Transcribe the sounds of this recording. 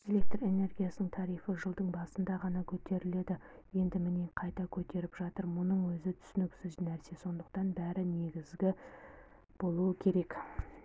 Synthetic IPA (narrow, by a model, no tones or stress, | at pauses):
e̞lʲe̞k̚t̪re̞ne̞rɡʲijasənəɴt̪ʰɑɾijfəʒəlˠd̪əɴbɑsənd̪ɑʁɑnɑkʲʰɵt̪e̞ɾɪle̞d̪ɪje̞nd̪ɪmɪneqʰɑjt̪ɑkʲʰɵt̪e̞ɾɪpʒɑt̪əɾmʊnəɴwɵzɪt̪ʰʏ̥sʏnɪksɪznæɾse̞so̞nd̪əq̚t̪ɑnbæɾɪne̞ɡʲɪzɡʲɪ | b̥o̞lˠuəkʲʰe̞ɾe̞k